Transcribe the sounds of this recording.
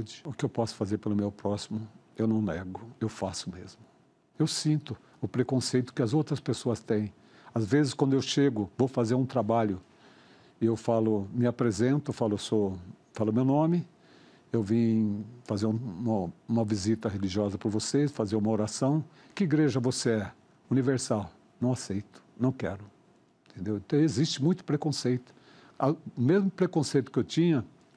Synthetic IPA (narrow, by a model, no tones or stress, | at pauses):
d͡ʒɪʊkɪewpɔsʊ̥fazeɾpelʊmewpɾɔsimʊewnɐ̃w̃nɛ̰ɡʊewfasʊmezmʊ | ewsĩnt̪ʊ | ʊpɾekõsejt̪ʊ̥kɪɐzowt̪ɾɐspesoɐst̪ẽj̃ | azvezɪskwɐ̃nd̪ʊewʃeɡʊvowfazeɾũt̪ɾabaʎʊ | ɪewfalʊmɪapɾezẽnt̪ʊfalʊesofalʊmewnõmɪ | ewvĩfazeɾũũmɐũmɐvizit̪ɐɦeliʒiɔzɐpɾɐɾvosesfazeɾũmɐoɾasɐ̃w̃ | kɪiɡɾeʒɐvoseɛ | univeɾsaw | nɐ̃w̃asejt̪ʊ̥nɐ̃w̃kɛ̰ɾʊ | ẽt̪ʰẽnd̪ewẽnt̪ɐ̃w̃ezist͡ʃɪmũj̃t̪ʊ̥pɾekõsejt̪ʊ̥ | aʊmezmʊpɾekõsejt̪ʊ̥kɪewt͡ʃĩɲɐ